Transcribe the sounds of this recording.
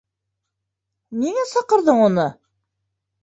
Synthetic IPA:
niŋæsɑqɤ̆ɾðɤɴunɤ

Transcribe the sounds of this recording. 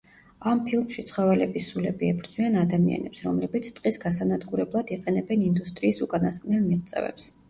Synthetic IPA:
ampʰilˠmʃit̪sʰχɔvɛlɛbisulɛbiɛbɾd̪zʼwianad̪amia̰nɛpsɾɔmlɛbit̪sʰt̪ʼqʼisɡasanad̪ɡuɾɛblˠad̪iqʼɛnɛbɛnind̪ust̪ʼɾiːsukʼanaskʼnɛlmiʁt̪sʼɛ̰vɛ̰ps

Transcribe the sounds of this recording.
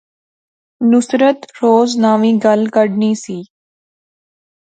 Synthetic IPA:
nʊsɾət̪ɾoːznaːʋĩːɡəlkəɽniːsiː

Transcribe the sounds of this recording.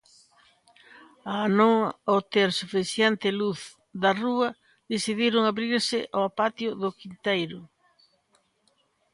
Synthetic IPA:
anõŋot̪eɾsufisjent̪ɪluθ | ðɐruɐ | ðesiðiɾʊŋaβɾiɾsɪʔoapat̪jʊðʊkint̪ejɾʊ

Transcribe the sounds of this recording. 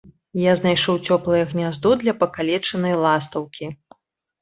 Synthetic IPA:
jaznajʂɔwt͡sʲɔplˠɐjɐɣnʲazd̪ɔd̪lʲɐpɐkalʲɛt͡ʂɐnɐjlˠast̪ɐwkʲi

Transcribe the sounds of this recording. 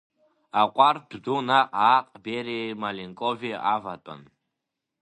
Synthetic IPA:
aqʷʼardʰd̪unaqʼaqʼbeɾimaliŋkʼoviavatʼa̰n

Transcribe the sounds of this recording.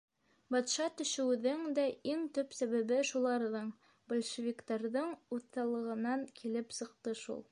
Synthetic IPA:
bɑt̪ʃɑt̪ɵ̆ʃɘ̆wðɘŋd̪æiŋt̪ɵpsæβæβɘʃulˠɑɾðɤɴ | bolʲʃɘvʲikt̪ɑɾðɤɴuθːɑlˠɤ̆ʁɤ̆nɑŋkʰilɘpsɤ̆q̚t̪ɤʃṵlˠ

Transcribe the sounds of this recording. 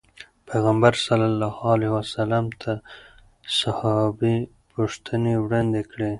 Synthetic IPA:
pʰeɣambaɾsalːalːɑhlehwasalamt̪ʰa | sahɑbi | puʂt̪ʰənewɽɑnd̪ekɽe

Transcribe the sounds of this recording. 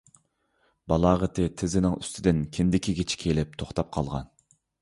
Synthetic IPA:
bɑlˠɑːʁət̪ʰɪt̪ʰɪzɪnɪŋy̰st̪ʰɪd̪ɪnkʲʰɪnd̪ɪkʲiɡʲet͡ʃʰi̥kʲʰelɪp̚t̪ʰoχt̪ʰɑp̚qʰɑlˠʁɑ̰n

